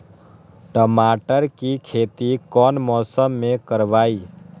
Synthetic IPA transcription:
ʈəmaːʈəɾkikʰeːt̪ikɔːnmɔːsəmːẽkəɾʋaːiː

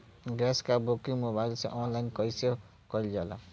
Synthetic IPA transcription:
ɡaskabokiŋmobajlsḛ̃ʔɔnlajnkʌjse | kʌld͡ʒala̰

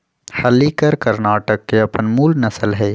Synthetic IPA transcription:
hɐlikɐɾkɐɾnaːʈəkːeɐpənmuːlnɐsəlɦɛː

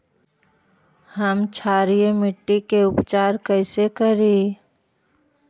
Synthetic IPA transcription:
həmt͡ʃʰaːɾijmɪʈːikeʊpt͡ʃaːɾkəɪsekəɾi

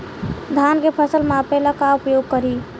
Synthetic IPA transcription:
d̪ʱankepʰəsəlmeəpelakaupjoɡ̚kəɾi

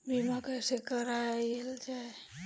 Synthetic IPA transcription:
bimakəjsekəɾaeld͡ʒae

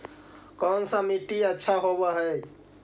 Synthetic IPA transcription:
kɔnsə̃miʈiətːʃʰaɦobəɦə

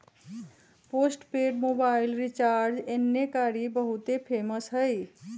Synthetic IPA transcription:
posʈpeɖmobailɾit͡ʃaɾd͡ʒenːjekaɾibəɦut̪epʰeməsɦəj

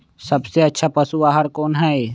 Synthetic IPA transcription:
sɐbseɐtːʃʰapəsuaɦəɾkoːnɦɛ

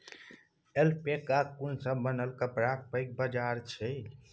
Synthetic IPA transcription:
elpekːakunsə̃mənəlkəpɾak̚pəjk̚bəd͡ʒaɾt͡ʃʰɛ

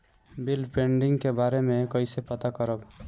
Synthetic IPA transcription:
bilpeɳɖiŋkebaɾemekʌjsepʌt̪akʌɾʌb

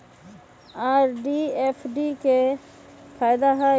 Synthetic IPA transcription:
aːɾɖiːeːfʰɖiːke | fʰaːjd̪aɦa

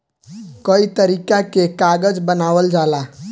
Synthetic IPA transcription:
kəit̪əɾikakekaɡəd͡ʒbənaʋəld͡ʒala

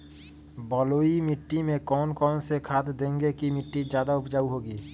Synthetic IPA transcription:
bɔːloːimɪʈːimẽkɔːnkɔːnsekʰaːd̪d̪ẽːŋɡekimɪʈːid͡ʒjaːd̪aʊbd͡ʒaːuɦoːɡiː

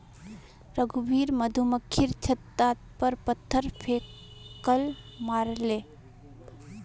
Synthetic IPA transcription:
ɾəɡubʱiːɾməd̪ʱuməkʰːiɾt͡ʃʰət̪ːat̪pəɾpət̪ʰːəɾpʰekəl | maːɾle

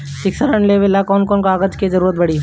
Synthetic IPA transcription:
sɪksəɾəɳleʋelakɔːnkɔːnkaːɡəd͡ʒked͡ʒɐɾuːɾət̪̚bɐɽiː

